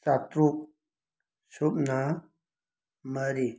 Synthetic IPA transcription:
t͡sat̪ɾuk̚ | supna | məɾi

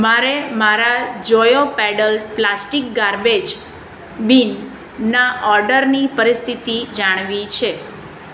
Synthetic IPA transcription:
maɾemaɾad͡ʒɔjopɛɖəlplasʈikɡaɾbed͡ʒ | binː | aʔɔɾɖəɾnipəɾist̪ʰit̪id͡ʒaɽ̃ʋit͡ʃʰe

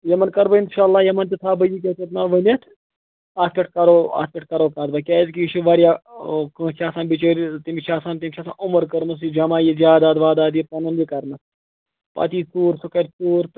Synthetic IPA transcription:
jɐmɐnkɐɾbɐinʃaːlːaːjɐmɐnt̪it̪ʰaːbɐjik̬ʲet̪it̪naʋɐnɐt̪ʰ | aːspʲeʈ̚ʰkɐɾoːa̰ːspʲeʈ̚kɐɾoːkaːd̪bɐkʲɛːzkiːʃiʋaːɾjaːkə̃ːt͡ʃʰaːsaːnbit͡ʃəːɾt̪imʲit͡ʃʰaːsaːnt̪imʲit͡ʃʰaːsã̰ːʔʊməɾkɐɾmɐs̬id͡ʒɐmaːjizʲaːd̪aːd̪ʋaːd̪aːd̪jip̚t̪ɐnɐnd͡ʒikɐɾmɐs | pɐ̰ːt̪iːsuːɾsukɐɾʲsuːɾt̪

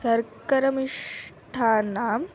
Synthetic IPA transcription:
sɐɾkɐɾɐmiʂʈʰaːnaːm

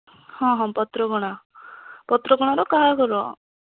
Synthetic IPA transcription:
hɔ̃ɦɔ̃pɔt̪ɾɔɡɔɽ̃a | pɔt̪ɾɔɡɔɽ̃aɾɔkaɦakɔɾɔ

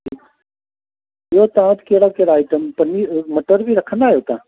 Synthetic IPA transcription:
ɪoːt̪ãːʋt̪keːɽaːkeːɽaːiʈəmpəniːməʈəɾbʱiːɾəkʰənd̪aːɦjoːt̪ãː

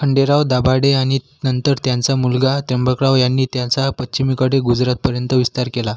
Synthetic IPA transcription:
kʰəɳɖeɾaʋd̪abaɽeaɽ̃i | nənt̪əɾt̪jant͡samulɡat̪əmbəkɽaʋjanːiːt̪jãt͡sapətɕimikəɽeɡud͡zɾat̪̚pəɾjənt̪əʋist̪aɾkela

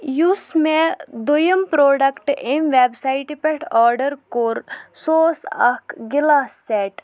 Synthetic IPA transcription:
jusmẽd̪ojəmpɾoːɖəkʈemʋeːbsaɪʈipeʈʰɔːɾɖəɾkoɾsoːsɐkɡɪlaːsːeːʈ

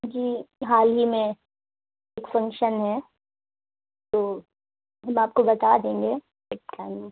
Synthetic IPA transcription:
d͡ʒiːɦaːlɦimẽ | eːkfɐ̃ŋkʃənɦɛ | t̪oː | ɦɐmaːp̚kobɐt̪ad̪ẽːŋɡeː | eʈaːɪm̃

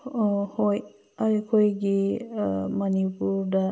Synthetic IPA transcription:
hoj | aɾikʰojɡi | mɐnipuɾdɐ

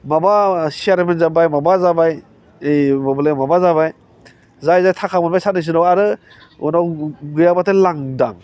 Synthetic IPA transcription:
mabasiaɾmenzabajmabazabaj | ejbɔblejmabazabaj | zajzajtʰakʰamɔnbajsat̚nɯs̬ɯnawaɾɯ | ṵnawɡɯjabatɯlaŋda̰ŋ

